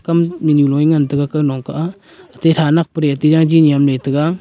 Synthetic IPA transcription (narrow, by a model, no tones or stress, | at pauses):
kamminjulɔjŋantɯɡakɯnɔŋkaʔaː | tejtʰanak̚pəɾeatizaŋd͡ʒinijamlejtɯɡa